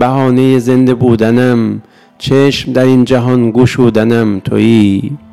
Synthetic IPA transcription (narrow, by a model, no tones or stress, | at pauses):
bæhɒːnejeze̞nd̪e̞buːd̪ænæm | t͡ʃʰeʃmd̪æɾind͡ʒæɦɒnɡuːʃuːd̪ænæmt̪ʰo̰ʔiː